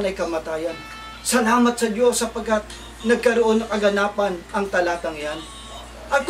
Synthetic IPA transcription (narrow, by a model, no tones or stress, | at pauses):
nɐjkɐmaːt̪aːjɐn | sɐlaːmɐt̪̚sɐd͡ʒo̞sːɐpɐɡkːat̪̚ | nɐɡ̚kɐɾoʔo̞nːɐkɐɡɐnaːpɐnɐŋt̪ɐlaːt̪ɐŋjan | ʔɐk